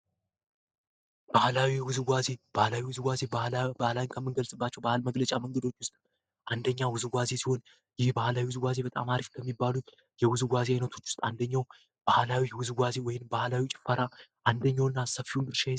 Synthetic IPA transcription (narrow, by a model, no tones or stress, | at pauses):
b̥ahlawijɛwʊzɡʷaze̞b̥ahlawiwʊzɨɡʷaze̞bahlawiɲkʰəmːɨnɡəlsʼɨbːat͡ʃːɛwbahlməɡlət͡ʃʼaməŋɡəd̪o̞t͡ʃːwʊst̪ʼ | ʔand̪əɲːawʊzɡʷaze̞siho̞n | jɪhbahlawiwʊzɨɡʷaze̞bət̪ʼa̰maɾifkʰəmːibːalut̪ | jɛwʊzɡʷazeajnət̪ʰo̞t͡ʃːwʊ̥st̪ʼand̪əɲːaw | b̥ahlawijɛwʊzɨɡʷaze̞wɔjɪnbahlawit͡ʃʼɪ̥fːaɾaʔand̪əɲːawɨnːasəfːihunbɨɾʃa